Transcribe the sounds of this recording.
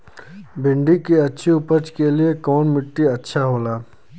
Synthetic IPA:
bʱɪ̃ɳɖikiɐtːʃʰiʊpət͡ʃkeliekɔːnmɪʈːiɐtːʃʰaɦoːlaː

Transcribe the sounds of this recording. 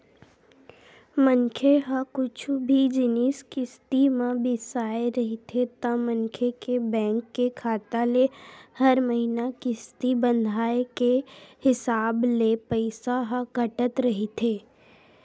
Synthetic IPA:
məŋkʰeɦəkʊt͡ʃʰbʱid͡ʒɪniskɪst̪imãbɪsaːeɾɐɦit̪ʰet̪ɐmə̃nkʰekebɛ̃ːŋkːekʰaːt̪alehɐɾməɦinakɪst̪ibə̃nd̪ʱaːekehɪsaːblepəɪsaɦəɡɐʈət̪ɾɐɦit̪ʰeː

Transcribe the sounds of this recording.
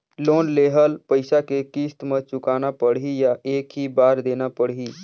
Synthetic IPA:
loːnleːɦəlpəɪsakekiːst̪mẽt͡ʃʊkaːnapəɽijaeːkɦibaːɾd̪eːnapəɽiː

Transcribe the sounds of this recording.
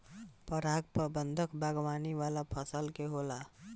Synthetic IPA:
pəɾaɡ̚pəbənd̪ʱəkbʱaɡwaniʋalapʰəsəlkeɦola

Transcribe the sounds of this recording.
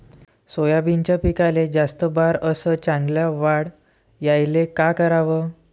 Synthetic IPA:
sojabint͡ɕapikaled͡zast̪əbaɾəsət͡ɕãŋɡljaʋaɽ | jajlekakəɾaʋəː

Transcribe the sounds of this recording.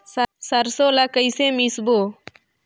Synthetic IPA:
səɾsoːlakəiseːmisboː

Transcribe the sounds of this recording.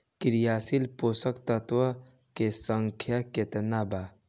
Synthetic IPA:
kiɾijaːsilposəkt̪ət̪wə | kesəŋkʰjaket̪ənaba

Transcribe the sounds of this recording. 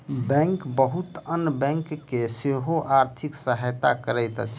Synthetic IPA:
bɛ̃ŋkbəɦut̪ənːbɛ̃ŋkːeseɦoʔaɾt̪ʰiksəɦəjt̪akəɾəjt̪ə̰t͡ʃʰ

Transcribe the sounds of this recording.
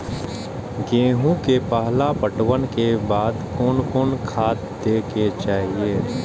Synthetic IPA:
ɡẽːɦũkepəɦlapəʈwənkebaːd̪koːnkoːnkʰaːt̪d̪eːket͡ʃaːɦieː

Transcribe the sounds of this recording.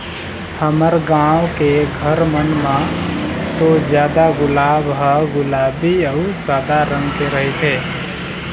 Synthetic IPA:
həməɾɡawkeɡʱəɾmənmã | t̪od͡ʒjaːd̪aɡʊlabɦəɡʊlabiəusaːd̪aɾəŋɡkeɾəɦit̪ʰe

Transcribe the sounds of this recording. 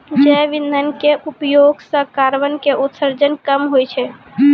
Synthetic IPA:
d͡ʒɛʋinːənkeʔupjoɡsə̃kaɾʋənkeʔut̪səɾd͡ʒənkəmɦojt͡ʃʰɛ

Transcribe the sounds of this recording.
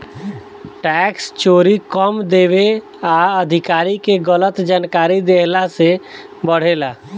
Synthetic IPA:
ʈɛkst͡ʃoːɾikəmd̪eːʋe | aəd̪ʱikaːɾikeɡələt̪d͡ʒaːnkaːɾid̪eɦlase | bəɽ̤elaː

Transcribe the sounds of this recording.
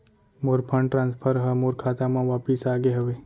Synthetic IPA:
moːɾpʰə̃ɳɖʈɾãːnspʰəɾɦəmoːɾkʰaːt̪amãʋaːpɪsaːɡeɦəʋe

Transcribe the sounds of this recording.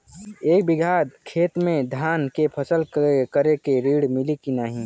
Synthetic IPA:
eːk̚bɪɡʱaːd̪kʰeːt̪mẽd̪ʱaːnkepʰəsəlkəɾekeɾiɽmɪlikinaɦĩ

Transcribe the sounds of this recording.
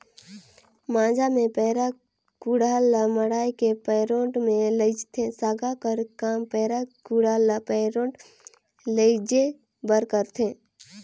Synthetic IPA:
mãːd͡ʒamẽpɛːɾa | kuɽaːlaməɽaːikepɛːɾõːʈmẽləɪd͡ʒt̪ʰesaːɡakəɾkaːmpɛːɾakuɽalpɛːɾõːʈ | ləɪd͡ʒe | bəɾkəɾt̪ʰẽ

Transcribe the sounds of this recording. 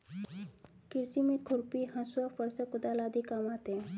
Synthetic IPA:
kɪɾsimẽkʰʊɾpiɦɐ̃suafɐɾsɐkʊd̪alaːd̪ikamaːt̪e

